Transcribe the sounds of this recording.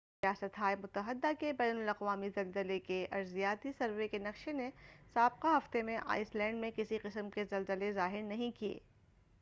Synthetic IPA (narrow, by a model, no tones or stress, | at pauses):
ɾijaːsət̪ɦaːemʊt̪əɦəd̪ːakebɛːnʊlɐqʋaːmizɐlzəlekeʔɐɾzijaːt̪isɐɾʋekenɐqʃenesaːb̚qaɦɐft̪emẽʔa̰ːɪslɛ̃ːɳɖmẽkɪsiqɪsəmkezɐlzəlezaːɦɪɾnɐɦĩkiḛː